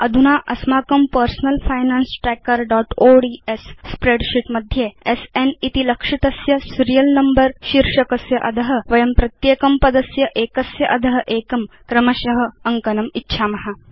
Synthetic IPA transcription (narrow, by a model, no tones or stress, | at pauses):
ɐd̪ʱunaːʔɐsmaːkɐmpəɾsnɐlfajnansʈɾekəɾɖɔːʈoɖiːesːpɾeɖɕiʈmɐd̪ʱjeesenit̪ilɐkʂit̪ɐsjɐsuɾijɐlnɐmbəɾɕiɾʂɐkɐsjɐʔɐd̪ʱɐɦə̆ʋɐjɐmpɾɐt̪jeːkɐmpɐd̪ɐsjɐʔeːkɐsjɐʔɐd̪ʱɐɦəʔeːkɐm | kɾɐmɐɕɐɦə̆ɐŋkɐnɐmitːɕʰamɐɦa